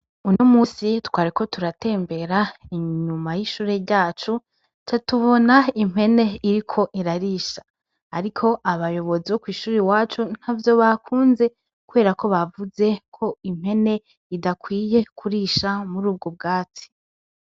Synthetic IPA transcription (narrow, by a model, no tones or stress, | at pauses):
unomusitwaːɾiko̞tuɾate̞ːmbe̞ɾaiɲumajiʃuːɾe̞ɾɟaːt͡ʃu | t͡ʃatuβo̞naim̥he̞ne̞iɾikʰo̞ʔiɾaɾiːʃḁː | ɾikʰo̞ʔaβajo̞βo̞ziβokwiːʃuːɾiwaːt͡ʃun̥havjo̞βakʰuːnze̞ | kuβe̞ːɾako̞βavuze̞kʰo̞im̥he̞ne̞ | idakwiːje̞kʰuɾiʃamuɾuːb̚ɡob̚ɡaːt͡si̥